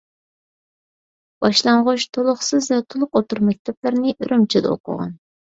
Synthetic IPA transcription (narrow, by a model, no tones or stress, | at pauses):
b̥ɑʃlˠɑɴʁʊt͡ʃt̪ʰolˠʊχsɨzvɛt̪ʰolˠʊqot̪uɾmɛk̚ʲt̪ʰɛplɪɾnɪʔyɾʔymt͡ʃʰid̪ɛ̰o̰qʰʊ̰ʁɑ̰n